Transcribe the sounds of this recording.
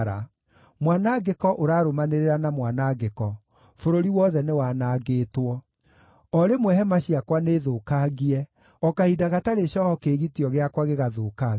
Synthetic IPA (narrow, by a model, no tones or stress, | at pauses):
ɾa | mwanaɡekɔʔoɾaːɾomaneɾeɾanamwanaɡekɔ | foɾoɾiwɔðɛnewaːnaːɡeːtwɔ | ɔɾemwɛɦɛmaɕiakwaneːðoːkaɣiɛ | ɔkahidaɣataɾeɕɔhɔkeːɣitiɔɣeakwaɣeɣaðoːka